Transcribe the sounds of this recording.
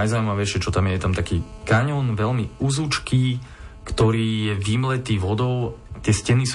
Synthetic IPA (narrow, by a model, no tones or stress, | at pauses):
ajzauimaʋɛjʃɪɛt͡ʃɔt̪amjɛjɛt̪amt̪akiːkaɲɔnʋɛlmiuzut͡ʃkʰiː | kt̪ɔɾiːjɛʋimlɛt̪iːʋɔd̪ɔʊt̪ɪɛscɛnis